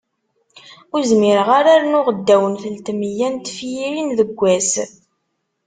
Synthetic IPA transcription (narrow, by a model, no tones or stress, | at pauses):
ʊɾzmɪɾəʁaɾaɾnʊʁəd̪ːæwənθəlt̪mijænt̪ːfjiɾinðəɡʷːæs